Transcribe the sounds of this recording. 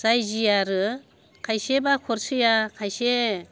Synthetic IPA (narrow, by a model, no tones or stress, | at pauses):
z̥ajzijaɾɯ | kʰajsebakʰɔɾsɯjakʰajse